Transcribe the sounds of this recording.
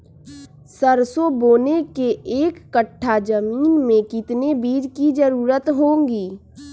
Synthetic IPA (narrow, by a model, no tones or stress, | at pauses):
səɾsoboːnekeeːkːəʈʰːad͡ʒəmiːnmẽkɪt̪nebiːd͡ʒkid͡ʒəɾuːɾət̪ɦõːŋɡiː